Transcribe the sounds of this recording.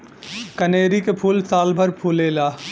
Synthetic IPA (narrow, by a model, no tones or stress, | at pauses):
kəneːɾikepʰuːlsaːlbʱəɾpʰuːleːlaː